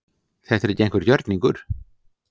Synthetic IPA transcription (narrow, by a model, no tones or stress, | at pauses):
θɛt̪ɛɾɛcːejnŋkvɪɾcœɾt̪niŋkʏɾ̥